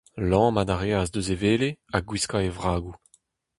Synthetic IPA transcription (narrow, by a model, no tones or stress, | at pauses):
lɑ̃ːmad̪aʁeazd̪øzeveːleaɡwiskaevʁaːɡu